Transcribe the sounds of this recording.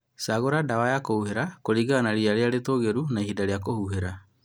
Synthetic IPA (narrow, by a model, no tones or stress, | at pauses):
saɣoɾadawajakohuɦeɾakoɾiɣanaɾiaɾeaɾetoːɣeɾunaihidaɾeakohuɦeɾa